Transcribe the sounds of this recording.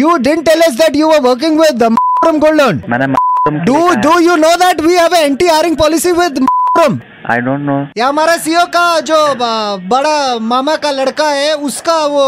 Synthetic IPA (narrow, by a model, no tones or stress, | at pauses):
juɖɪɖə̃ɳʈːɛləs̬d̪æʈjuʋəɾʋək̬ɪ̃ŋɡʋɪd̪mafɾəmɡoɭɖənmənemaɾmɖuɖujunod̪æʈʋihɛʋəẽɳʈiaɾɪ̃ŋɡ̚pɔlɪsiʋɪd̪mafɾə̃m | a̰jɖõnʈnoɦjamaɾasijokad͡ʒobəɽamamakalɐɽkaɦeuskaʋo